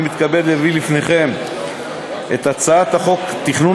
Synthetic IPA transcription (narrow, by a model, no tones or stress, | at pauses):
mit̪kabed̪levilifne̞χe̞m | ʔe̞t̪at͡saat̪haχo̞kt̪iχnu